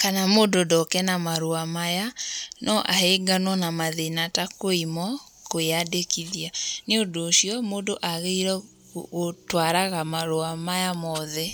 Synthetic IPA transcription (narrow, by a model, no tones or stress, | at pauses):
kanamoːndodɔkɛnamaɾoamajanɔʔaheɡanwɔnamaðenatakoimɔ | kojadekiðianeondoːʃiɔmoːndoʔaɣeiɾɛ | otwaɾaɣamaɾoamajamɔðɛ